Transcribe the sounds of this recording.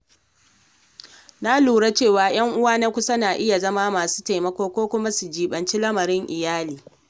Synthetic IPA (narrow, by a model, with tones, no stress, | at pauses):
na˦luː˨ɽa˦t͡ʃeː˦˨waː˨j̰ɐ˦ŋʔʊ˦waː˦na˦kʷʊ˦sɐ˦naː˨ʔɪ˦ja˨zɐ˦ma˦maː˨su̥ː˦ta˨jmɐ˦kʷoː˦kʷoː˦kʷʊ˦ma˦su˨d͡ʒiː˨ɓɐ˨nt͡ʃi˦lɐ˦mɐ˨ɾɪ˦ŋʔɪ˨jaː˦liː˨